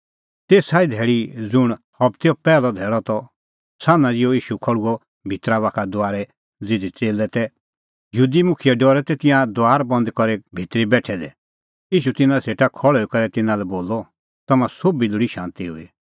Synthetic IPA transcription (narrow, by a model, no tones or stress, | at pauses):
t̪eːsaːid̪ʱɛːɭid͡zʊɽ̃hɔbt̪eɔpɛːlɔd̪ʱɛːɭɔt̪ɔ | saːnãd͡zɪɔiːʃukʰɔɭuɔ | bʱɪt̪ɾaβakʰad̪ʊaːɾɛ | d͡zɪd̪ʱit͡seːlɛt̪ɛ | jɦuːd̪imʊkʰɪjɛɖɔːɾɛt̪ɛt̪ɪ̃ãd̪ʊaːɾbɐ̃nd̪kɔɾɛbʱit̪ɾibɛːʈʰɛd̪ɛ̰ | iːʃut̪ɪnãseːʈakʰɔɭɔikɔɾɛt̪ɪnãlɛboːlɔ | t̪ɐmãsobilʊɽiʃãːnt̪iɦʊ̰i